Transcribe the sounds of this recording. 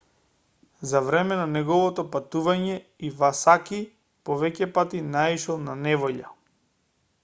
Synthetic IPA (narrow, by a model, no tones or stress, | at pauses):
zavɾɛmɛnanɛɡɔvɔt̪ɔpat̪uvaɲɛivasaki | pɔvɛcɛpat̪inaiʃɛlˠnanɛvɔʎa